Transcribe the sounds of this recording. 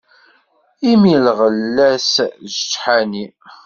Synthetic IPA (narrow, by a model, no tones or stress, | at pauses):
imilʁəlːæsʒət͡ʃːħani